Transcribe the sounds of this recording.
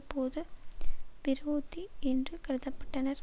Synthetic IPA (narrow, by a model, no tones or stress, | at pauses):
pːoːðɯ | ʋɪɾoːt̪ːiɛndrɯkɪɾɯðɐpːɐ̥ʈːɐnɐɾ